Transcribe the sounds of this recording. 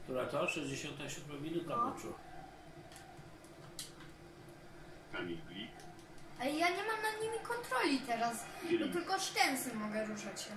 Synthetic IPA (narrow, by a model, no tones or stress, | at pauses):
kt̪uɾat̪ɔʂɛzd͡ʑeɕɔ̃nt̪ɛɕud̪mɛvʲinut̪aɔt͡ʂu | t̪amʲilɡlʲik | ajaɲɛmamnaɲimʲikɔnt̪ɾɔlʲit̪ɛɾasbɔt̪ɘlkɔʂtɛnsɛmːɔɡɛɾuʂat͡ɕɕɛ